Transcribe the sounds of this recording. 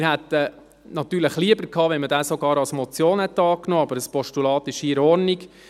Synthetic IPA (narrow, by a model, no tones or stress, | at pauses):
ɪɾhæt̪ə | nɑt̪ːyːɾləχliəbəɾkʰɑːʋɛnmədæːsɔɡɑːɾɑlsmɔt͡sjoːnhɛt̪ɑːknoːɑbəɾəspɔʃtulɑːt̪ɪʃiːɾɔrnik